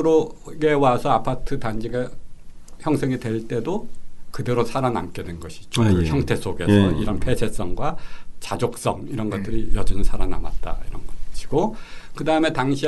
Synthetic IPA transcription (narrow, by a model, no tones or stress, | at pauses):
ɾoɡe̞wasʰʌapʰatʰɯtand͡ʑiɡa | çjʌŋsʰe̞ŋitwe̞ɭt͈e̞dokɯdeɾosʰaɾana̰mk͈e̞denɡʌɕʰi̥d͡ʑoçjʌŋtʰe̞s͈ʰoɡe̞sʰʌ̰iɾʌnpʰe̞sʰe̞s͈ʌŋɡwat͡ɕad͡ʑok̚s͈ʌŋiɾʌnɡʌt̚t͈ɯɾijʌd͡ʑʌnɯɭsʰaɾana̰ma̰t̚t͈a̰iɾʌnɡʌɕʰi̥ɡ̥okɯdaɯme̞taŋɕʰi